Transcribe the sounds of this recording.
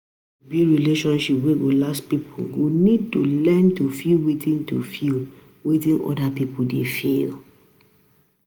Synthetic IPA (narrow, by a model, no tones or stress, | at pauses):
biɹileʃɔ̃nʃipweɡolaspipʰuɡonid̚tulɛ̃ntufilwitĩntufil | wetĩnʔɔ̰dapipul̩defil